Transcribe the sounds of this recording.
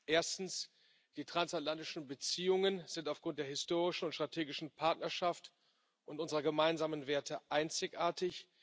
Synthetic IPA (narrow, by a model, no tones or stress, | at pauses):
ʔeːɐstn̩s | d̥iːtʁ̥ansatlantɪʃn̩bət͡siːʊŋənz̥ɪntaʊfɡ̥ʁʊnt̚d̥eːɐɦɪstoːʁɪʃn̩ʊntʃtʁ̥atʰeːɡɪʃn̩pʰaɐtnɐʃaft | ʔʊntʔʊnzəʁɐɡəmaɪnzaːmənveːɐtʰəʔaɪnt͡sɪçʔaːɐtɪç